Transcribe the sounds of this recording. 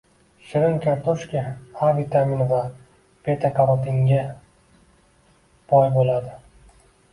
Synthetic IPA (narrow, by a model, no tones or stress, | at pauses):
ʃɪɾɪŋkʲʰaɾt̪ʰoʃkʲiavit̪ʰaminva | pʰet̪ʰakʰaɾɒt̪ɪŋɡʲa | b̥ɒjbolad̪ɪ